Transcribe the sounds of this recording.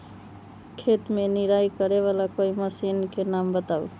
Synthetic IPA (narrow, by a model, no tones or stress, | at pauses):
kʰet̪meniɾajkəɾeβalakoiməsinkenambət̪aṵ